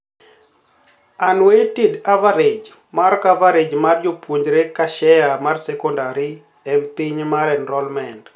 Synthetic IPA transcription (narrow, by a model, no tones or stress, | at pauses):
anwetidavaɾed͡ʒ | markavaɾed͡ʒmard͡ʒopwuɲd͡ʒɾekaʃɛjamarsɛkɔndaɾi | ɛmpiɲmaɾɛnɾɔlmɛnd